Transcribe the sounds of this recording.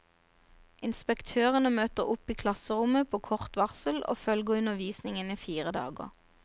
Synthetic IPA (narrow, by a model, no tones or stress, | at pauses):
ʔɪnspɛkt̪ʰøːʁənəmøːt̪əʁʊpiːkʰlɑsəʁʊməpʰoːkʰɔʁt̪ʋɑʁsəlʔo̰ːfœlɡəʉnəʋiːsnɪŋəniːfiːʁəd̪ɑ̰ːɡə̰ʁ